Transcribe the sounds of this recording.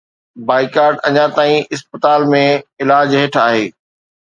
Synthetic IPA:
baːikaːɾɖɐ̰ɲãt̪aːĩʔɪspət̪aːlmẽɪlaːd͡ʑɦeːʈʰaːɦeː

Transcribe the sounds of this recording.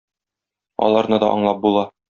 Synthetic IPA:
ɒ̰lˠɑɾnɤd̪ɒ̰ʔɒ̰ɴlˠɑp̚bulˠɑ

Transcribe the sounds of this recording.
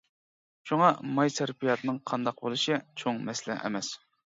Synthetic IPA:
ʃuŋɑmɑjseɾpijɑt̪ʰɨnɨŋqʰɑnd̪ɑq̚bolˠuʃit͡ʃʰoŋmɛslɛ̰ʔɛ̰mɛs

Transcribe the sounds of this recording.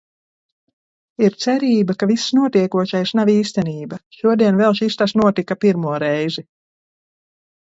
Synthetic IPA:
iɾt̪sɛɾiːbakavisːnuɔt̪iɛkuɔʃajsnaviːst̪ɛniːbaʃuɔd̪iɛnvɛlˠʃist̪asnuɔt̪ikapiɾmuɔɾɛjzi

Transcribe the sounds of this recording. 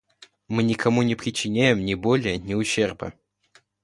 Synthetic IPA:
mɨnʲɪkɐmunʲɪpɾʲɪt͡ɕːɪnʲæjɪmnʲɪbolʲɪjənʲɪʊɕːe̞rbə̰

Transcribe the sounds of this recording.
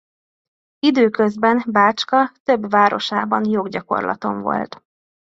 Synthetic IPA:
id̪øːkøzbɛnbaːt͡ʃkɒt̪øbʋaːɾo̞̰ʃaːbɒnjo̞ɡɟɒko̞̰rlʔɒ̰t̪o̞̰ɱvo̞̰lt̪

